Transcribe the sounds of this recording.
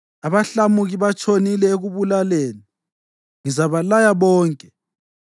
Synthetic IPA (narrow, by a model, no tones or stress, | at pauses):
aβaɬamuɣiβat͡ʃʰʼonilɛeɣuβulaleːni | ŋizaβalajaβɔːŋkʼɛ